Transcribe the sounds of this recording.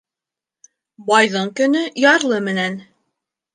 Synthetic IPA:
bɑjðɤɴkɵ̆nɵjɑɾlˠɤmɘ̆næn

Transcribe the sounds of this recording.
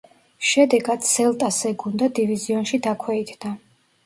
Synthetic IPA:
ʃɛd̪ɛɡad̪sɛlˠt̪ʼasɛɡund̪ad̪iviziɔnʃid̪akʰwɛid̪ʰd̪a

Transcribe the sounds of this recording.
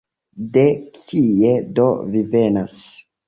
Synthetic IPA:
de̞kʰie̞do̞vive̞nas

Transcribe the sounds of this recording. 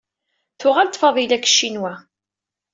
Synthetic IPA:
θʊʁalt̪ːˤfɑðˤilækːə̥ʃːinwæ

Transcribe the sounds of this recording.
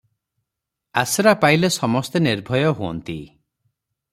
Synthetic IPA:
asɔɾapajlesɔmɔst̪eniɾbʱɔjɔɦuɔ̰nt̪i

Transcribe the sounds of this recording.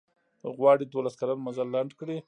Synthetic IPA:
ɣwɑɽid̪olaskalanmazalːaɳɖkɽi

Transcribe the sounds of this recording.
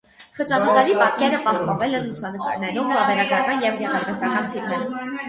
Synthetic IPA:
χət͡ʃɑnək̪ɑɾipɑt̪kɛɾəpɑhpɑnvɛlɛnlusɑnəkɑɾnɛɾumɑvɛɾɑɡɾɑkɑnjɛvjɛʁɑɾvɛst̪ɑnɑχt̪ʰiɾnɛɾ

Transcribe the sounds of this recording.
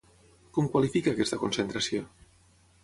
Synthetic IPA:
kɔmkwalifikaːkɛst̪əkunsent̪ɾəsio

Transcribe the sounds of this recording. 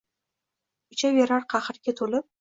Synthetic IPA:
ɪt͡ʃʰaveɾaɾqʰɑχɨɾɡʲat̪ʰolɪp̚

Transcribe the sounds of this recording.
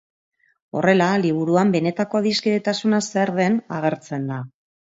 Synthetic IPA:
o̞̰re̞laliβ̞uɾuambe̞ne̞t̪ako̞ðiskiðet̪asunaseɾðe̞naɣ̞e̞ɾt͡se̞nd̪a

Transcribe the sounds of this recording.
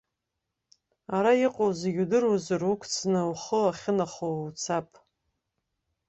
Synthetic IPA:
aɾajɪqʼozɡʲudɨruzarukʷʰt͡sʰnɨwχəaχʲɪnaχowt͡sʰapʼ

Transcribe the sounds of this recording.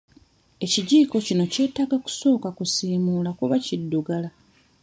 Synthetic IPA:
e̞ciɟiːko̞cino̞ce̞ːtaɡaku̥so̞ːkakusiːmuːlakuβacidːuɡala

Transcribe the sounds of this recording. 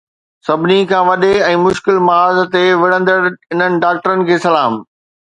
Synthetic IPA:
sɐbʱɪnikʰãːʋɐɗeɛ̃ːmʊʃkɪlmɐaːzt̪eʋɪɽə̃nd̪əɽɪn̤ənɪ̆ɖaːk̚ʈəɾənɪ̆kʰeːsɐlaːm

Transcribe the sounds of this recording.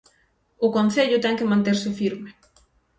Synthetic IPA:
ʊkonθeʎʊt̪ɛŋkɪmãnt̪eɾsɪfiɾmɪ

